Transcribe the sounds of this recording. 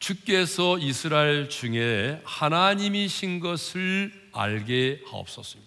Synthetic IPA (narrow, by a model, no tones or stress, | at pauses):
t͡ɕuk͈e̞sʰʌisʰɯɾaeɭt͡ɕuŋe̞hanaɲimiɕʰinɡʌsʰɯɭ | a̰ɭɡehao̰p̚s͈ʌs͈ɯmɲida